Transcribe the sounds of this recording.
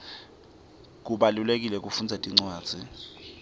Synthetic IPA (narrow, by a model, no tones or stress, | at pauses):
k̬uɓalulek̬ʼilɛk̬ʼufund͡zʱɛtʼiŋ͡ǀwḁːz̥ʱi